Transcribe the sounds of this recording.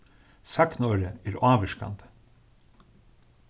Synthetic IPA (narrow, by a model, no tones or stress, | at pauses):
sɑknɔɾəæːɾɑːʋəʂka̰nd̪ə̥